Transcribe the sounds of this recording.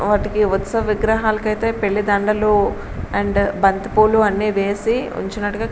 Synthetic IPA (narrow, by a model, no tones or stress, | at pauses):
ʋaːʈikiut̪sɐʋiɡɾɐɦaːlɐkɐjt̪eːpeɭːid̪ɐɳɖɐlu | ɐɳɖbɐnt̪ipuːluɐnːiːʋe̞ːsiṵɲt͡ʃinɐʈuɡaː